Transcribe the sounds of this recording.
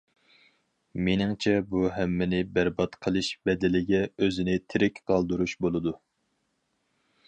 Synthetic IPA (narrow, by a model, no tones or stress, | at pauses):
menɪŋt͡ʃʰɛbuɦɛmːɪnɪbæɾbɑt̪qʰəlˠɨʃbɛd̪ɪlɪɡʲɛøzɪnɪt̪ʰɪɾɪkʲqʰɑlˠd̪uɾuʃbolˠɨd̪u